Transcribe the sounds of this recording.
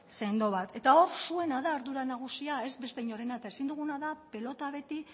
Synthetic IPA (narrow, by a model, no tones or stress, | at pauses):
se̞nd̪o̞β̞at̪e̞t̪ao̞ɾsue̞naðaːɾðuɾanaɣ̞usiae̞zbe̞st̪eɲoɾe̞nat̪esind̪uɣ̞unaðape̞lo̞t̪aβ̞e̞t̪i